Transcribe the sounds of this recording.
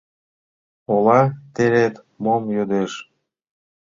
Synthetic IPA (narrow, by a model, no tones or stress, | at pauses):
olɑt̪eɾet̪ | momjød̪eʃ